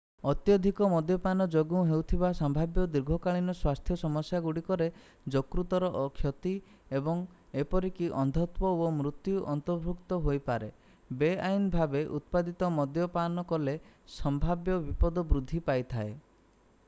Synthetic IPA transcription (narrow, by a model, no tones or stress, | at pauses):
ɔt̪jɔd̪ʱikɔmɔd̪jɔpanɔd͡ʒoɡuũɦewt̪ʰibasɔmbʱabjɔd̪iɾɡʱɔkaɭinɔswast̪ʰjɔsɔmɔsjaɡuɽikɔɾe | d͡ʒokɾut̪ɔɾɔʔɔkʰjɔt̪i | ebɔŋ | epɔɾikiʔɔnd̪ʱɔt̪wɔomɾut̪juʔɔnt̪ɔɾbʱukt̪ɔɦojpaɾe | beajnbʱabeʔut̪̚pad̪it̪ɔmɔd̪jɔpanɔkɔlesɔmbʱabjɔbipɔd̪ɔbɾud̪ʱːipajt̪ʰae